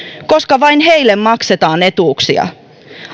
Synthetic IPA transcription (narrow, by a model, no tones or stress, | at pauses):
ko̞skɑʋɑinɦeilːemːɑkset̪ɑːne̞t̪uːksiɑ̰